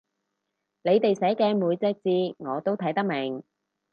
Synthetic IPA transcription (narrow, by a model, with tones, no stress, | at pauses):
le˨˧jt̪e˨jsɛː˨˥kɛː˧muː˨˧jt͡sɛ˨˥k̚t͡siː˧ŋɔː˨˧t̪o˥wt̪ʰɐ˨˥jt̪ɐ˥k̚me˨˩ŋ